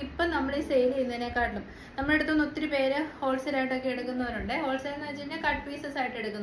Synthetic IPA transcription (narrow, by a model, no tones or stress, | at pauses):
ipːɐnɐmːɐɭiːsejliinːɐne̞kːaːʈːɐlum | nɐmːɐɭeɽut̪ːunot̪ːiɾupeːɾeho̞ːlsɐɾaːjiʈːo̞kːe̞eɽukːunːɐʋɐɾuɳɖɨho̞ːlsɾanːɐɐt͡ɕːinːekɐʈːpiːsɐsaːjiʈːeɽukːunː